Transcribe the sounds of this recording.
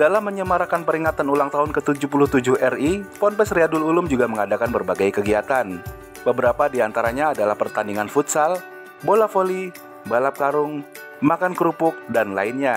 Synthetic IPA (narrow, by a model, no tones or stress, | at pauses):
dalamːəɲəmaɾakanpəɾiŋat̪anulaŋt̪aʊnkət̪ud͡ʒʊpulʊht̪ud͡ʒʊhɛripɔnpɛsriadʊlulʊmd͡ʒuɡaməŋadakanbərbaɡajkəɡiat̪an | bəbəɾapadiant̪aɾaɲaːdalahpərt̪andiŋanfut̪sal | bolafoli | balap̚kaɾʊŋ | makankəɾupʊk̚danlaɪnɲa